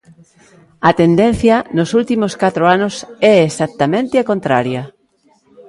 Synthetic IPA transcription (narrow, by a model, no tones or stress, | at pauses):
ɐt̪end̪en̟θjɐnʊsult̪imoskat̪ɾoanʊsɛesak̚t̪ɐmẽnt̪ɪɐkõnt̪ɾaɾjɐ